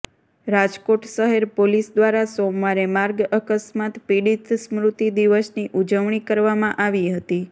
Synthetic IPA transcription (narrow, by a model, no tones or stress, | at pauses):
ɾad͡ʒkoʈʃəɦeɾpolisd̪ʋaɾasomʋaɾemaɾɡəkəsmat̪piɽit̪smɾut̪id̪iʋəsniʔud͡ʒəʋɳ̃ikəɾʋamãʔaʋiɦət̪i